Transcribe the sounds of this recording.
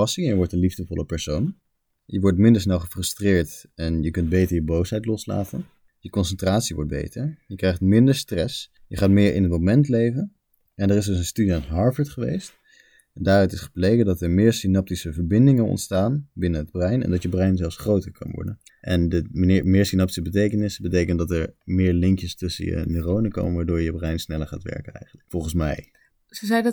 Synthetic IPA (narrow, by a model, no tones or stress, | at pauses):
ɑsɪŋjəʋɔɹtənlivdəvɔləpɛɹsown | jəʋɔɹtmɪndəɹs̬nɛlˠχəfrɵstrɪːɹtɛnjəkɵnd̚bejtəɹjəbowsɦɛjtlɔsla̰ːtə̰n | jəkɔnsəntraːtsiʋɔ̰ɹt̚bḛjtəɹjəkrɛjχtmɪndəɹstrɛs | jəχaːtmɪːɹʔɪ̰nətomɛntlejvən | ʔɛndəːrɪsdɵsənstydiaːnɦɑɹvəɹtχəʋḛjst | ndaːɾœɥtɪsχə̥plejkəndɑtɛɹmɪːɹsinɑp̚tisəvəɹbɪndɪŋənɔ̰ntstaːnbɪnənɦəd̚brɛjnɛ̰ndɑtjəbrɛjnzɛlˠfsχrowtəɹkɑ̰nʋɔ̰ɹdən | ʔɛndəɪmɪːɹsinɑpti̥səbətejkənɪsəbətejkəntdɑtəɹmɪːɹlɪŋkjəstɵsə̰jə̰nyrownəko̰wmənʋaːɹdʊːɹjəbrɛjnsnɛləɹχaːtʋɛ̰ɹkənɛ̰jχənləkfɔlˠχənsmɛ̰j | səzɛjd